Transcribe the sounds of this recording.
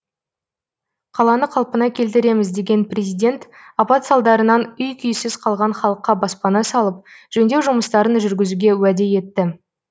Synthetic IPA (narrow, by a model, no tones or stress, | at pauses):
qʰɑlˠɑnəqʰɑlˠpənɑkʲʰe̞lt̪ɪɾe̞mɪzd̪e̞ɡʲe̞nprʲezijd̪ʲe̞nt̪ | ɑpɑt̪sɑlˠd̪ɑɾənɑnʏjkʲʰʏjsɪz̥qʰɑlˠʁɑɴχɑlˠəqːɑbɑspɑnɑsɑlˠəp̚ʒ̥ɵnd̪ewʒʊməst̪ɑɾənʒʏɾɡʲɪzuɡʲe̞wæd̪e̞je̞t̪ːɪ